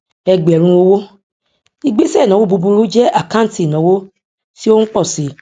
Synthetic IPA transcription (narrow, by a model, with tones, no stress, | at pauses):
ɛ˧ɡ͡bɛ˨ɾ̃ũ˧wo˦wo˦ | i˧ɡ͡be˦sɛ˦˨nɔ̃˨wo˦bu˧bu˧ɾu˦d͡ʒɛ˦ʔa˨kã˦˨˦ti˨nɔ̃˨˦wo˦ | ti˦o˦n̩˦k͡pɔ˦˨si˨